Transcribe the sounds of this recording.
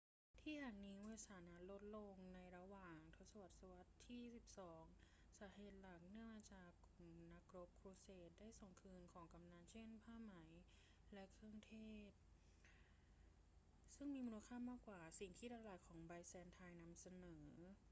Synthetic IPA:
t̪ʰiː˥˩jaː˨˩ŋniː˦˥mɯ˧saː˩˦na˦˥t̪̚lo˦˥t̪̚lo˧ŋna˧jɾa˧waː˨˩ŋt̪ʰo˦˥t̪̚sa˧wa˨˩t̪̚sa˧wa˦˥t̪ʰːiː˥˩si˨˩p̚sɔː˩˦ŋ | saː˩˦ɦeː˨˩t̪̚la˨˩k̚nɯ˥˩əmaː˧t͡ɕaː˨˩ku˨˩mna˦˥k̚ɾo˦˥p̚kʰɾuː˧seː˨˩t̪̚daː˥˩jso˨˩ŋkʰɯː˧nkʰɔː˩˦ŋka˧mnaː˧nt͡ɕʰe˥˩npʰaː˥˩ma˩˦j | lɛ˦˥kʰɾɯ˥˩əŋt̪ʰeː˥˩t̪̚ | sɯ˥˩ŋmiː˧muː˧la˧kʰaː˥˩˨maː˥˩kːwaː˨˩si˨˩ŋt̪ʰiː˥˩ɾaː˧laː˨˩jkʰɔː˩˦ŋba˧jsɛː˧nt̪ʰaː˧jna˧msa˧nɤː˩˦

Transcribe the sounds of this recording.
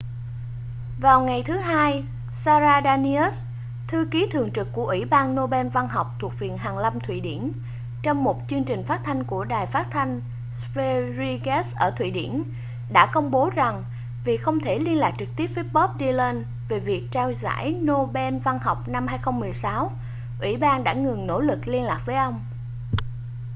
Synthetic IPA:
vaː˨˩wŋa˨˩jt̪ʰɨ˨˦ɦaː˧j | saː˧zaː˧ɗaː˧ni˧ə˦˥s | t̪ʰɨ˧ki˨˦t̪ʰɨ˨˩əŋt͡ɕɨ˨˩kkːu˧˩əʔwi˧˩ɓaː˧nːo˧ɓɛ˧nva˧nɦa˨˩wk͡p̚t̪ʰu˨˩k̚vḭ˧˨ənɦaː˨˩ŋla˧mt̪ʰwḭ˧˨ɗḭ˧˩ən | t͡ɕɔ˧wŋ͡mmo˨˩t̚t͡ɕɨ˧əŋt͡ɕï˨˩ŋ̟faː˦˥t̚t̪ʰa˧jŋ̟ku˧˩əɗaː˨˩jfaː˦˥t̚t̪ʰa˧jŋ̟ | sfe˧zi˧ɣɛ˦˥sʔəː˧˩t̪ʰwḭ˧˨ɗḭ˧˩ən | ɗa̰ː˧˥kə˧wŋ͡mɓo˨˦za˨˩ŋ | vi˨˩xə˧wŋ͡mt̪ʰe˧˩li˧ənlaː˨˩k̚t͡ɕɨ˨˩k̚t̪i˦˥əp̚viː˨˥t̚ɓɔ˦˥p̚ɗi˧le˧n | ve˨˩vi˨˩ək̚t͡ɕaː˧wza̰ː˧˥jno˧ɓɛ˧nva˧nɦa˨˩wk͡p̚na˧mhaː˧jxə˧wŋ͡mmɨ˨˩əjsaː˨˦w | ʔwḭ˧˩ɓaː˧nɗa̰ː˧˥ŋɨ˨˩ŋno̰˧˥lɨ˨˩k̚li˧ənlaː˨˩k̚vəː˨˦jʔə˧wŋ͡m

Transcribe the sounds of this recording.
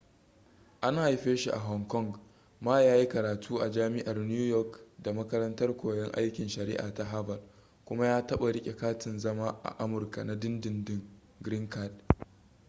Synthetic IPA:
ʔa˦n˦˨ha˨jɸeː˦ʃi˨ʔa̰˨ɦɔ˨ŋkɔ˦ŋɡ | maː˦jaː˦ji˦kɐ˨ɾaː˨tʰuː˦ʔa˨d͡ʒaː˦mɪ˦ʔa˨rn˦uː˦jɔ˦kda˨mɐ˦kɐ˦ɾɐ˦ntɐ˦rkʷoː˨jɛ˦ŋʔa˦jkʲɪ˨nʃɐ˨ɾɪ̰˦ʔa̰ː˨ta˦ɦa˦bɐ˨l | kʷʊ˦ma˦jaː˦tɐ˦ɓa˨ɽɪ˦kʲʼe˨kaː˦tɪ˨nzɐ˦maː˦ʔa̰˨ʔa˦mʊ˨rka̰˨na˦dɪ˦ndɪ˨ndɪ˦ŋ | ɡɾɪ˦ŋka˦˨d̚

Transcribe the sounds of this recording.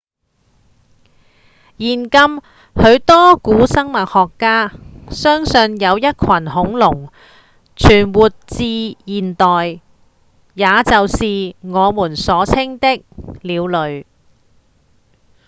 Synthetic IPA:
jiː˨˩nkɐ˧m | hɵ˨˧ɥt̪ɔː˥kuː˨˥sɐ˥ŋmɐ˨t̚hɔː˨kːaː˥sœː˥ŋsɵ˧njɐ˨˧wjɐ˥t̚kʷʰɐ˨˩nɦʊ˨˥ŋlʊ˨˩ŋ | t͡ʃʰyː˨˩nwuː˨t̚t͡siː˧jiː˨nt̪ɔː˨jː | aː˨˧t͡sɐ˨wsiː˨ŋɔː˨˧muː˨˩nsɔː˨˧˥t͡sʰɪ˥ŋt̪ɪ˥k̚liː˨˧wlɵ˨˧ɥ

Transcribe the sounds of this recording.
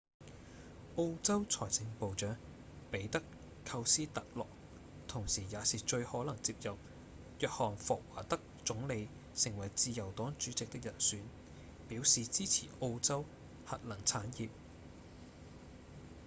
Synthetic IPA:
ʔo˥wt͡sɐ˥wt͡sʰɔː˨˩jsɪ˧ŋpo˨wt͡ʃœː˨˥ŋ | pe˨˥jt̪ɐ˥k | kʰɐ˧wsiː˥t̪ɐ˨k̚lɔ̰ː˨k̚ | t̪ʰʊ˨˩ŋsiː˨˩jaː˨˧siː˨t͡ʃɵ˧ɥhɔː˨˥lɐ˨˩ŋt͡siː˧p̚jɐ˨p̚ | jœː˨k̚hɔː˨˩ŋfɔː˨˩k̚waː˨˩t̪ɐ˥k̚t͡sʊ˨˥ŋle˨˧j | sɪ˨˩ŋwɐ˨˩jt͡siː˧jɐ˨˩wt̪ɔː˨˥ŋt͡ʃyː˨˥t͡sɪ˨k̚t̪ɪ˥k̚jɐ˨˩nsyː˨˥n | piː˨˥wsiː˨t͡siː˥t͡sʰḭː˨˩ʔo˧wt͡sɐ˥w | hɐ˨t̚lɐ˨˩ŋt͡sʰaː˨˥njiː˨p̚

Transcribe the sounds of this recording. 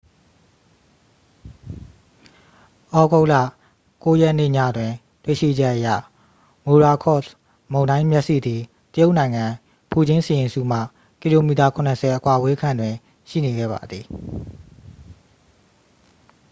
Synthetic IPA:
ʔɔ˦ɡo˦ʊʔlä̰˦˨ | ko˦jɛ˦ʔnḛ˦˨ɲa̰˦˨dwɪ̃˨ | twḛ˦˨ʃḭ˦˨d͡ʑɛ˦ʔəjä̰˦˨ | mo˨ɹa˨kʰɔ˦˨s | mõ˨ʊ̃nã˦ɪ̃mjɛ˦ʔsḭ˦˨d̪ði˨ | tə˦jo˦ʔnã˨ɪ̃ŋã˨ | pʰu˨d͡ʑɪ̃˦sɪ˨jɪ̃˨nsṵ˦˨m̥ä̰˦˨ | ki˨lo˨mi˨ta˨kʰʊ̃˨nə˨sʰɛ˨ʔəkwa˨we˦kʰã˨ndwɪ̃˨ | ʃḭ˦˨ne˨ɡɛ̰˦˨ba̰˨d̪ði˨

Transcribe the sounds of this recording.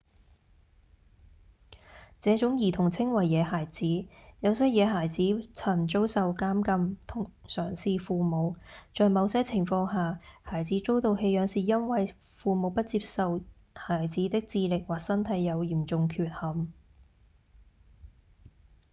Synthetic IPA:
t͡sɛː˨˥t͡sʊ˨˥ŋjiː˨˩t̪ʰʊ˨˩ŋt͡sʰɪ˥ŋwɐ˨˩jːɛː˨˧haː˨˩jt͡siː˨˥jɐ˨˧wsɐ˥jɛː˨˧ɦaː˨˩jt͡siː˨˥t͡sʰɐ˨˩nt͡ʃo˥wsɐ˨wkaː˥mkɐ˧mt̪ʰʊ˨˩ŋsœː˨˩ŋsiː˨fuː˨˧mo˨˧wt͡ʃɔː˨jmɐ˨˧wsɐ˥jt͡sʰɪ˨˩ŋfɔː˧ŋɦaː˨haː˨˩jt͡siː˨˥t͡so˥wt̪o˨whe˧jœː˨˧˥ŋsiː˨˩jɐ˥nwɐ˨j | fuː˨mo˨˧wpɐ˥t̚t͡siː˧p̚sɐ˨w | haː˨˩jt͡siː˨˥t̪ɪ˥k̚t͡siː˧lɪ˨k̚waː˨˩k̚sɐ˥nt̪ʰɐ˨˧˥jːɐ˨˧wjiː˨˩mt͡sʊ˨ŋkʰyː˨˧t̚hɐ˨m

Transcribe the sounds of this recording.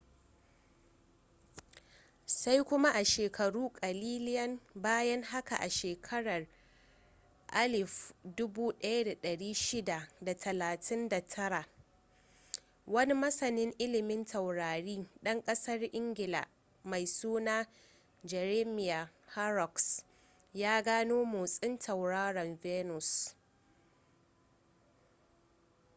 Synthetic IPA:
sa˦jkʷʊ˦ma˦ʔa˨ʃeː˨kʰɐ˨ɽuː˦kʼɐ˨liː˦lɪ˦jɐ˦nbaː˦jɐ˦ŋɦa˦ka̰˨ʔa˨ʃeː˨kʰɐ˦ɽɐ˨r | ʔa˦lɪ˨fdʊ˦buː˦ɗɐ˦ja˦da˨ɗɐ˨ɽiː˦ʃɪ˦da˨da˨tʰɐ˨laː˨tʰɪ˦nda˨tʰɐ˦ɽa˨ʔ | wɐ˦ni˦mɐ˦sɐ˨nɪ˦ŋʔɪ˦lɪ˨mɪ˦ntʰɐ˨wɽaː˨ɽiː˦ɗɐ˦ŋkʼɐ˦sɐ˦rʔɪ˦ŋɡʲɪ˨la̰˨ | ma˨jsuː˦naː˦ | d͡ʒɛ˨ɾe˦mɪ˦˨ja˨ha˦ɾɔ˨ks | jaː˦ɡaː˦noː˦moː˨sʼɪ˦ntʰɐ˨wɽaː˦ɾɔ˨nvɛː˦nʊ˨s

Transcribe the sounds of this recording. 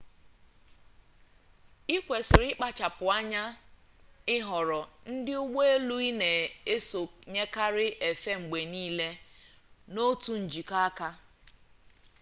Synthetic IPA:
i˦kʷe˨sɪ˨ɾɪ˦k͡pa˦t͡ʃa˨pʊ˨a˦ɲa˦ | ɪ˦ɦɔ˨ɾɔ˨n̩˦dɪ˦ʊ˦ɡ͡be˦e˦lu˦i˦ne˨e˦so˨ɲe˦ka˦ɾɪ˦ʔe˨fe˦ŋ͡m̩˨ɡ͡be˨niː˦le˦ | no˦tu˦n̩˨d͡ʒi˨ka˦a˦ka˦

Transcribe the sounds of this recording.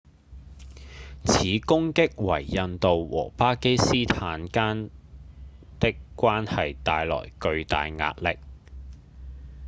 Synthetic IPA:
t͡sʰiː˨˥kʊ˥ŋkɪ˥k̚wɐ̰˨˩jːɐ˧nt̪o˨wwɔ̰ː˨˩paː˥ke˥jsiː˥t̪ʰaː˨˥nkaː˥n | t̪ɪ˥kːʷaː˥nhɐ˨jt̪aː˨jlɔ̰ː˨˩jkɵ˧ɥt̪a̰ː˨jŋa̰ː˧t̚lɪ˨k̚

